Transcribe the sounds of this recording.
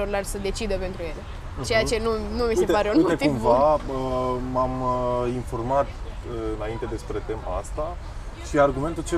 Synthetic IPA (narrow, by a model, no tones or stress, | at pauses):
orlarsəd̪e̞t͡ʃid̪əpe̞nt̪ɾuje̞le | t͡ʃe̞jat͡ʃe̞nunumiset̪paɾet̪ek̪umvaəmaməinfo̞rmat̪ | ɨɨnaint̪e̞d̪e̞spɾe̞t̪e̞ma̰a̰st̪a | ʃiarɡume̞nt̪ult͡ʃe